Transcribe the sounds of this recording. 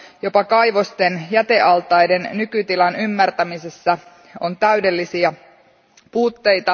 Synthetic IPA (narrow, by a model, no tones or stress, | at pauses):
jo̞pɑkɑjʋo̞st̪enjæt̪e̞ʔɑlt̪ɑjde̞nːykyt̪ilɑnymːært̪æmisesːæ | o̞nt̪æyde̞lːisiæ | puːt̪ːe̞jt̪ɑ